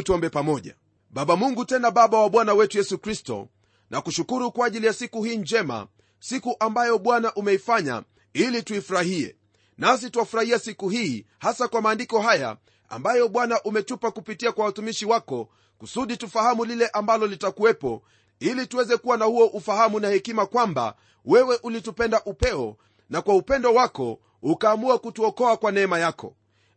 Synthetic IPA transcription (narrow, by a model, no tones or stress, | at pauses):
t͡ʃɔmbɛpamɔʄa̰ | ɓaɓamuŋɡutɛnaɓaɓawaɓwanawɛtujɛsukɾistɔ̰ | nʔa̰kuʃukuɾukwaːʄilijasikuhiːnd͡ʒɛma̰ | sikuʔambajɔɓwanaʔumɛifaɲa̰ | ilituifuɾahiɛ̰ | nas̬ituwafuɾahiasikuhiː | hasakwamaːndikɔhaja̰ | a̰mbajɔɓwanaʔumɛt͡ʃupakupitiakwawatumiʃiwakɔ | kusuɗitufahamulilɛʔambalɔlitakuwɛpɔ̰ | ilituwɛzɛkuwanahuɔʔufahamunahɛkimakwamba̰ | wɛwɛʔulitupɛndaʔupɛɔ | nakwaupɛndɔwakɔ̰ | ukaːmuakutuɔkɔakwanɛɛmajakɔ̰